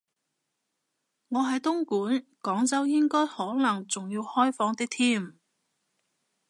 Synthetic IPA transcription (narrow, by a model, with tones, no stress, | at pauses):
ŋɔː˨˧ɦɐ˨jt̪ʊ˥ŋkuː˨˥nkɔː˨˥ŋt͡sɐ˥wjɪ˥ŋkɔː˥jhɔː˨˥nɐ˨˩ŋt͡sʊ˨ŋjiː˧whɔː˥jfɔː˨˥ŋt̪ɪ˥k̚t̪ʰiː˥˩m